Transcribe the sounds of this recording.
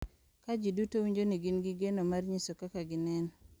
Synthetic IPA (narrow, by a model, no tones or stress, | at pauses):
kad͡ʒidutowiɲd͡ʒoniɡinɡɪɡenomarɲisokakaɡɪnɛn